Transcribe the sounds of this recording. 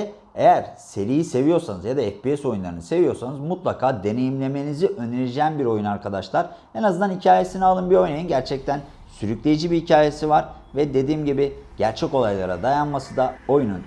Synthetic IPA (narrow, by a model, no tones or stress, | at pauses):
ejæɾse̞ɾijise̞vijo̞ɾsanɯzjad̪aɛfpiɛso̞junlˠa̰ɾɯnɯse̞vijo̞ɾsanɯzmut̪lˠakʰaːd̪e̞ne̞jimlʲe̞me̞niziʔø̞neɾid͡ʒeænbiɾo̞junaɾkʰad̪aʃlˠaɾ̥ | enazɯnd̪anhicʰaːje̞sinɛalˠɯnbio̞jnajunɟæɾt͡ʃʰɛc̚t̪ʰæn | syɾyclʲe̞jid͡ʒibihicʰaːje̞sivaɾ | vɛd̪e̞d̪iːmɟibiɟ̥æɾt͡ʃʰɛco̞lˠajlˠaɾa̰d̪ajanmasɯd̪ao̞junun